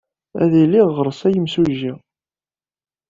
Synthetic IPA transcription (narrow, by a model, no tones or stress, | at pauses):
æ̰ðiliʁːəɾˤəsæjəmsuʒi